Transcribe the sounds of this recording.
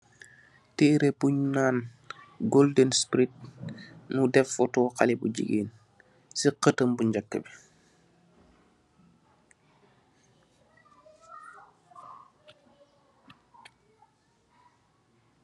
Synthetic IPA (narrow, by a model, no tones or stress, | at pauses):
tɛːɾepuɲnaːn | ɡoldənspɾit̚nudɛfɔtɔːxalibṵɟḭɡiːn | siqətəmbuɲɟakːə̰bi